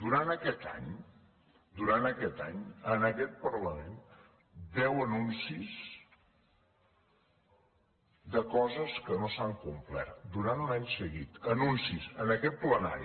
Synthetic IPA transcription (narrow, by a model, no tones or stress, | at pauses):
d̪uɾanəkɛt̪a̰ɲ | d̪uɾanəkɛt̪a̰ɲənəkɛt̪̚pəɾləmen | d̪ɛwənunsis | d̪əkɔzəskənosaŋkumplɛ̰ɾt̪d̪uɾanlaɲsəɣit̪ənunsisənəkɛt̪̚pləna̰ɾi